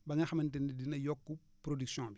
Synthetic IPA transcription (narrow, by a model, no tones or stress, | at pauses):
bɐŋɐxɐmɐntendidinɐjɔkːu | pɾodiksjɔ̃bi